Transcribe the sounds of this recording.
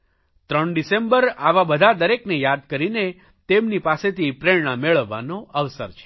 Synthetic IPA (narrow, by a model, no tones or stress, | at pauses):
t̪ɾəɳɖisembəɾaʋabəd̪ʱad̪əɾeknejad̪̚kəɾine | t̪emnipaset̪ʰipɾeɭɳ̃ameɭəʋːa̰noəʋsə̰ɾt͡ʃʰe̥